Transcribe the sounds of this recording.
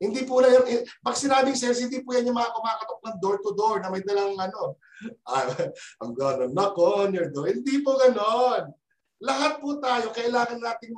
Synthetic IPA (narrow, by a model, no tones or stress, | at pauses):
hɪnd̪iːpulɐjonɪpɐɡsɪnaːbɪŋsɛɹs̬ɪnd̪iːpuːjɐnjʊŋmɐakomɐaːkɐt̪ok̚nɐŋd̪oɹt̪ʊd̪oɹnɐmɐjd̪ɐlɐŋʔɐno̞ | ʔɐʔɐŋɡɐnonlɐkonjɔɹd̪oɹhɪnd̪ipoɡɐnon | lɐɦat̪̚put̪aːjo̞kɐʔɪlaːŋɐnːaːt̪ɪŋ